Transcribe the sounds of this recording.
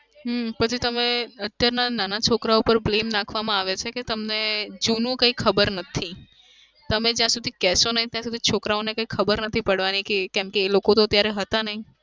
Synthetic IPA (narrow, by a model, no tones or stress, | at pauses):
ɦpət͡ʃʰit̪əmeət̪jaɾnananat͡ʃʰokɾaopəɾblemnakʰʋamãaʋet͡ʃʰeket̪əmned͡ʒunũkə̃ikʰəbəɾnət̪ʰi | t̪əmed͡ʒjãsud̪ʱikɛsonəɦit̪jãsud̪ʱit͡ʃʰokɾaonekəikʰəbəɾnət̪ʰipəɽʋanikekɛmkeːlokot̪oət̪jaɾɛɦət̪anəɦĩ